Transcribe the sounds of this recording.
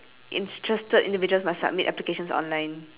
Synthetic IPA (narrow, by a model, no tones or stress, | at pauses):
ʔḭ̃ntʰɹɛstədʔĩndivid͡ʒuəlsmastsa̰b̚mitʔɛplikeʃə̃nsɔ̰̃nlãj̃n